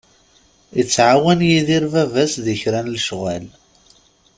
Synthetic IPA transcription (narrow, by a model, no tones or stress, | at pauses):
ət͡sːʕawænjiðiɾvævæsðəçɾænlʃʁæl